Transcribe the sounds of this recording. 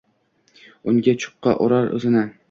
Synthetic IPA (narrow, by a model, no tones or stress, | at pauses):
ʊŋɡʲat͡ʃʰʊ̥qːɑ̰ʔoɾaɾɵ̰zɪna